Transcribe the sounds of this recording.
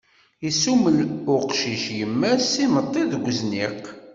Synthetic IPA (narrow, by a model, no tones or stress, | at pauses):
isuməlʊqʃiʃjəmːæsimət̪ˤːiðɡʷːzniq